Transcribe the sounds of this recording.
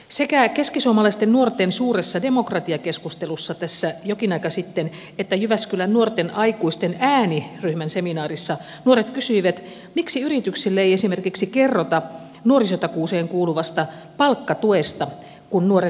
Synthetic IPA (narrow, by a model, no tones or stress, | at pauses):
sekækeskisuomːɑlɑist̪ennuort̪ensuːresːɑdemokrɑt̪iɑkeskust̪elusːɑt̪æsːæjokinɑikɑsit̪ːen | et̪ːæjyʋæskylænnuort̪enʔɑikuist̪enæːniryhmænseminɑːrisːɑ | nuoɾet̪kysyiʋæt̪ | miksiyrit̪yksilːæeiesimerkiksikerːot̪ɑ | nuorisot̪ɑkuːseːŋkuːluʋɑst̪ɑ | pɑlkːɑt̪uest̪ɑ | kunnuore